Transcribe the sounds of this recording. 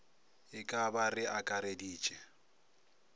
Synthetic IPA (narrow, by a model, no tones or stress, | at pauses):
ɪkʼabarɪʔakʼaɾediːt͡ʃʼɛ